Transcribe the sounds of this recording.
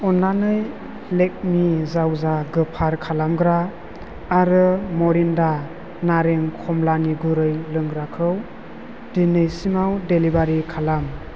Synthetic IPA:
ɔnanɯj | lek̚mizawzaɡɯpʰaɾkʰalamɡɾaː | ɾɯmɔɾinda | naɾeŋkʰɔmlaniɡɯɾɯjlɯŋɡɾakʰɯw | dinɯjsimawdelibaɾikʰalam

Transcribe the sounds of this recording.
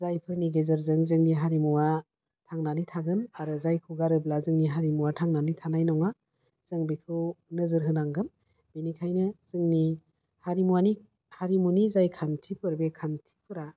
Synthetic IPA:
zajpʰɯɾniɡezɯɾzɯŋzɯŋniɦaɾimuwa | tʰaŋnanitʰaɡɯnaɾɯzajkʰɯɡaɾɯblazɯŋniɦaɾimuwatʰaŋnanitʰanajnɔŋa | z̥ɯŋbikʰɯwnɯzɯɾɦɯnaŋɡɯm | binikʰajnɯz̥ɯŋni | haɾimuwani | haɾimunizajkʰantʰipʰɯɾbekʰantʰi̥pʰɯɾa

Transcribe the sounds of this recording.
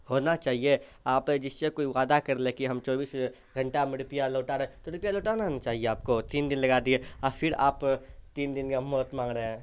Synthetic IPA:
hoːnat͡ʃaːɦie | aːpd͡ʒɪst͡ʃekoːiʋaːd̪akɐɾlekiɦɐmt͡ʃɔːbiːs | ɡʱɐ̃ɳʈamɪɽpijaloːʈaɾeẽt̪oɪɾpijaloːʈaːnat͡ʃaːɦieaːp̚kot̪iːnd̪ɪnlɐɡaːd̪ieɔːɾfʰɪɾa̰ːpt̪iːnd̪ɪnkamɔːt̪mãːŋɡɾəɦɛ̃ː

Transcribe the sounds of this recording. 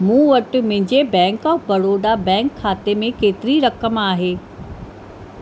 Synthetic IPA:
mũːʋɐʈmɪ̃ɦɪ̃ɲd͡ʑebɛ̃ːŋkɔːfbɐɽoːɖabɛ̃ːŋkʰːaːt̪emẽkeːt̪ɪɾiɾɐkəmaːɦeː

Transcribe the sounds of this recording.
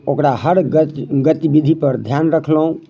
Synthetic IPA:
okɾaɦəɽɡət̪ibid̪ʱipəɾd̪ʱjanɾəkʰləɦũ

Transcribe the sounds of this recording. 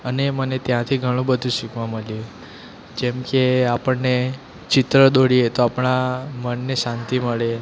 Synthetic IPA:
ənemənet̪jãt̪ʰiɡʱəɽ̃ũbəd̪ʱũʃukʋãməljũ | d͡ʒemkeapəɳne | t͡ʃɪt̪ɾəd̪oɽiet̪oapɽ̃amənːeʃãnt̪iməɭe

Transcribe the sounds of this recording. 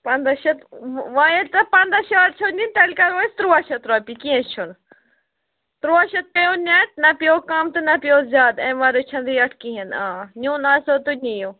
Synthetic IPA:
pɐnd̪ɐʃɐt̪ʋaːjet̪ɐpɐnd̪aʃɐaɾ̚t͡ʃʰonint̪ɐlʲkɐɾʋost̪ɾuaʃɐt̪ɾaːpikiɐ̃st͡ʃʰun | t̪ɾuaʃɐt̪̚pejonʲat̪̚nɐpijoːkamt̪ɨnɐpjoːzʲjaːd̪ɐ̃ʋaːɾot͡ʃʰɐ̃nd̪ɾiːɐʈʰkiɦɐnãːnʲuːnaːsoːt̪unʲijo

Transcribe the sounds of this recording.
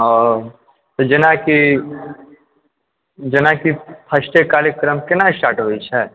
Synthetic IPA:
ɔɾ | t̪od͡ʒɪnaki | d͡ʒənakipʰɐsʈekaːɾəkɾəmkɪnasʈaːʈɦoit͡ʃʰɛ

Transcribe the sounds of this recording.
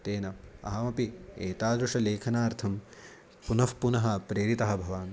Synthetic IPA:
t̪eːnɐɐ̰ɦɐmɐpieːt̪aːd̪ɾuʂɐleːkʰɐnaːɾt̪ʰɐm | punɐfpunɐɦɐpɾeːɾit̪ɐɦɐbʱɐʋaːn

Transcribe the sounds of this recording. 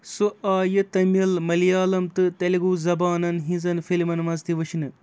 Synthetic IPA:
suaːjɐt̪ɐmɐlmɐlijaːlɐmt̪ɨt̪ɐliɡuːzɐbaːnɐnɦĩzɐnfilmɐnmɐzt̪iʋɐʃinɨ

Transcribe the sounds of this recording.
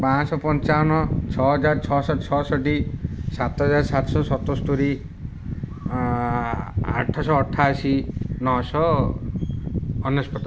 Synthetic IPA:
pãsɔpɔnt͡ʃaɔnɔt͡ʃʰɔɦɔd͡ʒaɾt͡ʃʰɔsɔt͡ʃʰɔsɔʈisat̪ɦɔd͡ʒaɾsat̪ɔsɔsɔt̪ost̪uɾi | a̰ʈʰːasɔːʈʰːasinɔɦsɔ | njespɔt̪a

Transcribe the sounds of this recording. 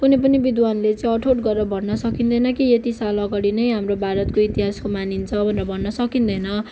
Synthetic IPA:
kunep̬ʌnibid̪wanlet͡sʌj̃ʌʈʰoʈɡʌrʌbʱʌnːʌsʌkind̪ʌjnʌkijet̪isalʌɡʌɽinʌjɦamrobʱaɾʌt̪̚koit̪iɦaskomanint͡sʰʌbʱʌneɾʌbʱʌnːʌsʌkind̪ʌjnʌ

